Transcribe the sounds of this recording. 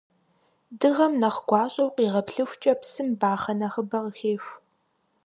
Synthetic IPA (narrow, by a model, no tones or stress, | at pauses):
dɨʁɐmnɐχɡʷɑːɕʼɐwqiːʁɐpɬɨxʷt͡ʃʼɐpsɨmbaːχɐnɐχəbɐʁəxeːɕʷ